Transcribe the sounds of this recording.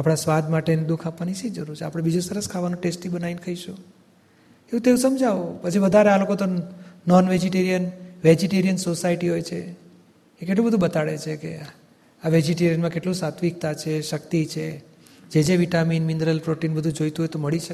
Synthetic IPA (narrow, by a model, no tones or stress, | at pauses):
apɽ̃asʋad̪ʱmaʈened̪ukʰapʋanit͡ʃʰẽd͡ʒəɾuɾt͡ʃʰeapɽ̃ebid͡ʒũsəɾəskʰaʋanũʈesʈibənainkʰəiʃu | eʋũt̪eũsəmd͡ʒʱaʋopət͡ʃʰiʋəd̪ʱaɾealokot̪onɔnʋed͡ʒiʈeɾijənʋed͡ʒiʈeɾijənsosaiʈiɦojt͡ʃʰeː | keʈlũbəd̪ʱũbət̪aɭḛt͡ʃʰekḛ | aʋed͡ʒiʈeɾijənmãkeʈlũsat̪ʰʋik̚t̪at͡ʃʰeʃək̚t̪it͡ʃʰe | d͡ʒed͡ʒeʋiʈaminmind̪ɾəlpɾoʈinbəd̪ʱũd͡ʒojt̪uɦojt̪oməɭiʃək